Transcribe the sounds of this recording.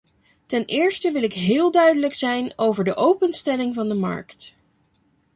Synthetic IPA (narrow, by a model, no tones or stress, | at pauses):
tɛnɪːɹstəʋɪlɪkɦɪːlˠdœɥdələksɛjnowvəɹdəʔowpənstɛlɪŋvɑndəmɑ̰ɹkt